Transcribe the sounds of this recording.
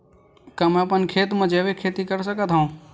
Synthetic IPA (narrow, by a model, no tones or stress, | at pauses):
kaːmɛ̃ɐpənkʰeːt̪mə̃d͡ʒeʋekʰeːt̪ikəɾsəkət̪ʰɦaũː